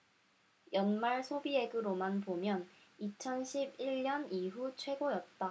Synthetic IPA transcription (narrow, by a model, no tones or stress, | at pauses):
jʌnmaɭsʰobie̞ɡɯɾomanbomjʌnit͡ɕʰʌnɕʰibiʎɲʌniɦut͡ɕʰwe̞ɡojʌt̚t͈a